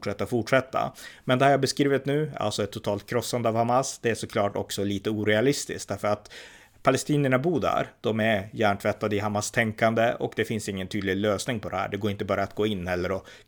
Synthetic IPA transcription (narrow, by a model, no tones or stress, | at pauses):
ʂɛt̪ːafʊʈʂɛt̪ːa̰mɛnd̪ɛhæːɾjɑabɛskɾiːvɪt̪nʉ̟ːa̰lsɔɛt̪ʰːʊt̪ʰɑːlt̪̚kʰɾɔsːand̪əɑvhamasd̪̥ɛæʂɔkʰlɑːʈɔ̰ksɔliːt̪əuːɾɛalɪst̪ɪ̰sk̚d̪æɾfəɾat̪ | pʰalɛst̪iːnəɳabuːd̪æ̰ɾd̪̥ɔmæɾjæːɳʈʰvɛt̪ːad̪əɪɦamast̪ʰɛŋkand̪əɔ̰kd̪ɛfɪnsɪŋːənt̪ʰyːd̪lɪɡløːsnɪŋpʰɔd̪ɛhæ̰ːɖɛɡoːɪnt̪əbɑːɾaːt̪̚ɡoːɪnːhɛlːəɾɔ